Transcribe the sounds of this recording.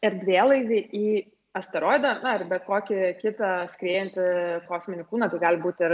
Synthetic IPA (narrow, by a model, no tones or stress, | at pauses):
ɪɾd̪ʲʋʲiɛlˠɐɪʋʲɪʔiː | ɐst̪ɐɾoːjd̪ɐnʊɪrbʲɛt̪̚koːkʲɪkʲɪt̪ɐsʲkɾʲeːjɛnʲt̪ʲɪkoːsʲmʲɪnʲɪkuːnɐt̪ɐɪɡɑːlʲbuːt̪ʲɪr